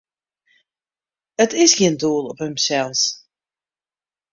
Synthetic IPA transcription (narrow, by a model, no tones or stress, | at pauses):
ətɪsxiənduəlˠɔphəmsɛlˠs